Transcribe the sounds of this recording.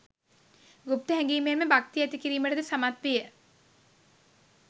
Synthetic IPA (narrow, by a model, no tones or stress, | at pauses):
ɡup̚t̪əɦɛŋɡiːmeːməbakt̪iɛt̪ikiɾiːməʈəd̪esamat̪ʋijə